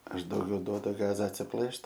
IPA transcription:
ˈɐʃ dɐʊˈɡʲɛʊ ˈduɔdʊ ˈɡɑːzɐ ɐtʲsʲɪˈplˠɘʃt

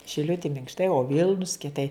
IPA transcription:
ʃʲɪˈlʲʊtʲɪ mʲɪŋkʃˈtɐɪ oː ˈʋʲɪlˠnʊs kʲiɛˈtɐɪ

